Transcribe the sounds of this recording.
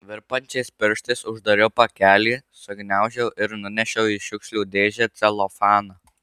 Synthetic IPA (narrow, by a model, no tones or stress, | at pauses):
ʋʲɪɾpɐnʲt͡ʃʲɛɪspʲɪɾʃt̪ɐɪsʊʒd̪ɐɾʲɛʊpɐkʲæːlʲiːsʊɡʲnʲæˑʊʒʲɛʊʔɪɾnʊnʲɛʃʲɛʊiʃʲʊkʃʲlʲuːd̪ʲeːʒʲɛt̪sʲɛlˠofɑːnɐ